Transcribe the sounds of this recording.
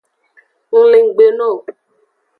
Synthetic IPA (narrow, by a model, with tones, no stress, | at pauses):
ŋ̩˨li˨ŋ̩˨ɡ͡be˨no˦˨